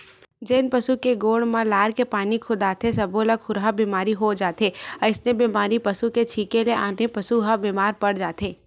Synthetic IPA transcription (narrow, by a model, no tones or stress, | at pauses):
d͡ʒeːnpɐsukeɡoːɽmãlaːɾkepaːnikʰʊd̪aːt̪ʰesɐbolɐɡxʊɾɦabiːmaːɾiɦod͡ʒaːt̪eːɐɪsnebiːmaːɾipɐsuket͡ʃʰiːkeleʔaːnepɐsuɦabiːmaːɾpɐɽ̤d͡ʒaːt̪eː